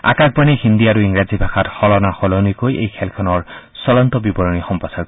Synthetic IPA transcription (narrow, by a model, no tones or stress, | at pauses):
a̰kak̚banihindiaɹuiŋɹazibʱaxʰatxɔlɔnaxɔlɔnujkojḛjkʰɛlkʰɔnɔɹ | sɔlɔntɔbibɔɹɔnixɔmpasaɹk